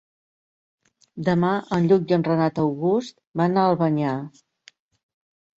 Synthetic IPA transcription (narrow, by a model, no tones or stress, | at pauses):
d̪əmaʔənʎuk̚d̪ənrənat̪əwɣust̪banaəlˠβəɲa